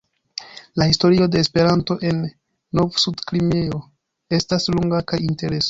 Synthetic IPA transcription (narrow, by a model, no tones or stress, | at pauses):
lahisto̞ɾio̞de̞ːspe̞ɾanto̞ʔe̞nː | o̞vsudklimeo̞ | e̞stasluŋɡakajinte̞ɾe̞so